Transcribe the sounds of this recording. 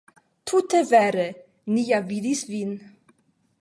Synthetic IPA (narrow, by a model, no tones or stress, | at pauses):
t̪ʰut̪evɛɾe | nijavid̪isvin